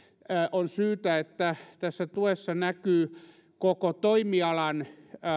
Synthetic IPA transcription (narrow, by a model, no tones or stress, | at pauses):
ʔonsyːt̪æet̪ːæt̪æsːæt̪uesːɑnækyː | kokot̪oimiɑlɑn